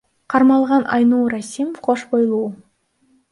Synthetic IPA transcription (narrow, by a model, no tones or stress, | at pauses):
qʰɑɾmɑlˠʁɑnʔɑ̰jnuɾɑsimofqʰoʃbojlˠuwə